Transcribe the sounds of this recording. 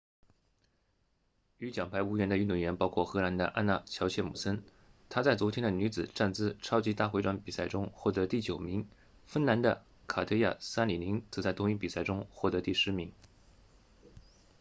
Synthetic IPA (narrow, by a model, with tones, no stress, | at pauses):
y˧˥t͡ɕjɑ˨˩ŋpʰa˧˥ɪu˥ɥɛ˧˥nd̪ə˧y˥˧nt̪u˧˥˩ɥɛ˧˥npɑ˥ʊkʰwɔ˥˩xɤ˧˥na˧˥nd̪ə̰˧ʔa̰˥nna˥˩t͡ɕʰjɑ˧˥ʊt͡ɕʰjɛ˥˩mṵ˨˩sə˥n | t̪ʰa˥t͡sa˥˩ɪt͡swɔ˧˥t̪ʰjɛ˥nd̪ə˨ny˧˥t͡sɹ̩˨˩ʈ͡ʂa˥˩nt͡sɹ̩˥ʈ͡ʂʰɑ˥ʊt͡ɕi˧˥t̪a˥˩xe˧˥ʈ͡ʂwa˧˥npi˨˩sa˥˩ɪʈ͡ʂʊ˥ŋxwɔ˥˩t̪ɤ˧˥t̪i˥˩t͡ɕjo˨˩ʊmi˧˥ŋ | fə˥nna˧˥nd̪ə̰˧ | kʰa˨˩t̪ʰɤ˥ɪja̰˥˩sa˥nli˨˩li˧˥ŋt͡sɤ˧˥t͡sa˥˩ɪt̪ʊ˥ŋi˥˩pi˨˩sa˥˩ɪʈ͡ʂʊ˥ŋxwɔ˥˩t̪ɤ˧˥t̪i˥˩ʂɻ̩˧˥mi˧˥ŋ